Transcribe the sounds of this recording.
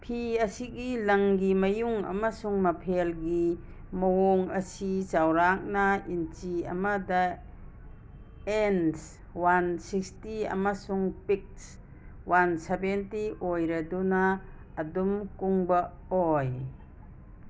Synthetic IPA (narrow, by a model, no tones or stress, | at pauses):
pʰiɐsiɡilɐŋɡimɐjuŋɐ̰masuŋmɐpʰelɡi | mɐwoŋɐsit͡ʃawɾak̚naint͡ʃiɐ̰madɐ | ens | wansikstiɐ̰masuŋpik̚s | wansebentiʔojɾɐdunaː | dumkuŋbɐ | oj